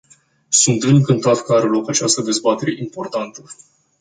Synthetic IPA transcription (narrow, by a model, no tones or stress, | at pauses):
sunt̪ɨŋkɨnt̪at̪kəaɾelo̞kat͡ʃast̪əd̪e̞zbat̪e̞ɾe̞ʔimpo̞rt̪ant̪ə